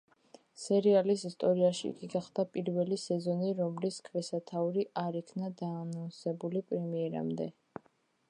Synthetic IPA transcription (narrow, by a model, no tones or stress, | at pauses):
sɛɾialisist̪ʼɔɾiaʃḭɡiɡaχd̪̥apʼiɾvɛlisɛzɔniɾɔmliskʰvɛsat̪ʰauɾiʔaɾikʰnad̪aːnansɛbulipʼɾɛmiɛɾa̰md̪ɛ